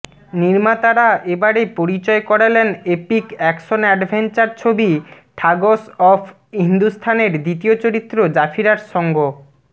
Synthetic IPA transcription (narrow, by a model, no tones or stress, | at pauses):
niɾmat̪aɾaʔebaɾepoɾit͡ɕɔekɔɽelenepikɛkʃonɛɖbʱent͡ɕaɾt͡ɕʰobi | ʈʰaɡosɔfʰ | ɦind̪ust̪ʰaneɾd̪it̪iot͡ɕoɾit̪ːɾod͡ʑafʰiɾaɾʃɔŋɡo